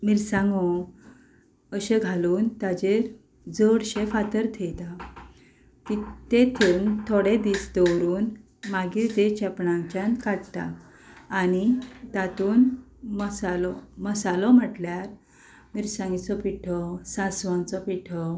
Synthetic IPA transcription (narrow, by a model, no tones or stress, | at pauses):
miɾsãŋɡɔ | əɕeɡʱaluːnt̪ad͡ʑeɾ | d͡zəɽɕefat̪əɾt̪ʰejt̪a | t̪it̪et̪ʰeunt̪ʰoɽed̪iːsd̪ɔwɾuːn | maɡiːɾt̪et͡ɕɛpɳãŋt͡ɕãnkaɽt̪a̰ː | ñit̪at̪uːn | məsalɔməsalɔm̤əʈljaɾ | miɾsãŋɡit͡sɔpiʈʰɔsãsʋãnt͡sɔpiʈʰɔ